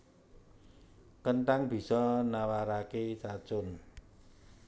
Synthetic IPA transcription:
kənʈ̪aŋb̥i̤sɔnawaɾakesḁt͡ʃʊn

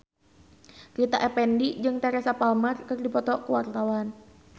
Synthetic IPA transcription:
ɾit̪aʔɛpɛndid͡ʒɨŋt̪ɛɾɛsapalmərkɨrdipɔt̪ɔkəwart̪awan

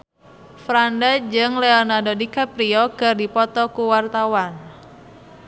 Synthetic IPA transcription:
fɾandad͡ʒɨŋleɔnardodikapɾiɔkɨrdipɔt̪ɔkuwart̪awan

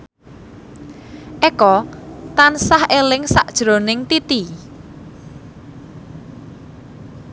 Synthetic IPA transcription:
ʔekɔt̪ansahelɪŋsa̰ʔd̥ʒ̥ɾo̤nɪŋt̪it̪i

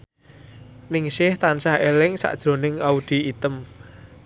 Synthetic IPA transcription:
nɪŋʃɪht̪ansahelɪŋsa̰ʔd̥ʒ̥ɾo̤nɪŋaud̪̥i̤it̪əm

